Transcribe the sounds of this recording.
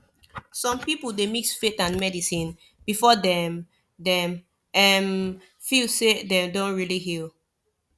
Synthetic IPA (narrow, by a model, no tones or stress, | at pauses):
sɔ̃mpipəldemiksfetãnmɛdisĩn | b̥ifɔdɛ̃m | dɛ̃m | ɛm | filsedɛ̃mdõntɹiliɦil